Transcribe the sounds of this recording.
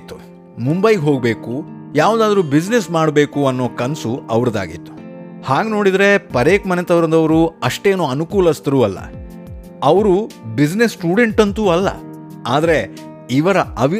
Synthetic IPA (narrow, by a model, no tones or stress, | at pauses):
t̪ːu | mumbɐjɡeɦo̞ːɡbe̞ːkujaːʋud̪aːd̪ɐɾuːbid͡ʒnesmaːɽbe̞ːkuɐnːoːkɐnsuɐʋɐɾɐd̪a̰ːɡḭt̪ːu̥ | haːɡeno̞ːɽid̪ɾe̞pɐɾeːkmɐnet̪ɐʋɾɐnd̪ɐʋɾuɐʂʈe̞ːnuːɐnukuːlɐst̪ɐɾuːɐlːɐ̰ | ɐʋɾubid͡ʒnesʈuːɽe̞ɳʈɐnt̪uːɐlːɐ̰ | aːd̪ɐɾe̞ | iʋɐɾɐɐʋ